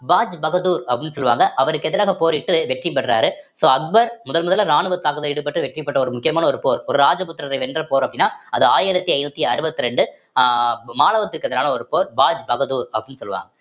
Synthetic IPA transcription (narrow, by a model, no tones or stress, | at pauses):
baːd͡ʒbɐɣɐðuːɾɐpːɐɽɪnːɯsɔlːɯʋa̰ːŋɡɐʔɐʋɐɾɯkːɛðɐɾaːɣɐpoːɾɪʈːɯʋɛʈrip̬ːɐʈːɾa̰ːɾɯsoːɐk̚bɐɾmʊðɐlmʊðɐlɐɾaːɳɯʋɐt̪ːaːkɐðɐɪɽɯp̬ːɐʈːɯʋɛʈripːɐʈːɐɔɾɯmʊkːɪjɐmaːnɐɔɾɯpoːɾɔɾɯɾaːd͡ʒɐpʊt̪ːɾɐɾɐɪʋɛndrɐpoːɾɐpːɐɽɪnːaːɐðɯaːjɪɾɐt̪ːiɐɪnut̪ːiɐɾɯbɐt̪ːɯɾɛɳɖɯ | maːlɐʋɐt̪ːɯkːɯɛðɪɾaːnɐɔɾɯpoːɾbaːd͡ʒbɐɣɐðuːɾɐpːɐɽinːɯsɔlːɯʋa̰ːŋɡɐ